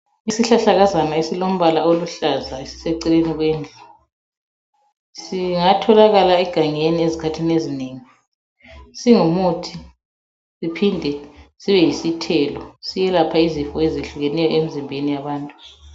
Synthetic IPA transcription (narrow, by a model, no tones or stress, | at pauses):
isiɬaɬaɣazanaesilom̩βalaoluɬazaesi̥seǀileniɣweːnd͡ɮʱu | siŋatʰɔlaɣalaɛɡ̥ʱaŋeniezikʰatʰinezineːŋi | siŋumutʰi | sipʰindʱɛsiβɛjisitʰɛːlɔsijɛlapʰaizifɔeziɬuɣɛnɛjɔem̩zimbʱenijaβaːntʼu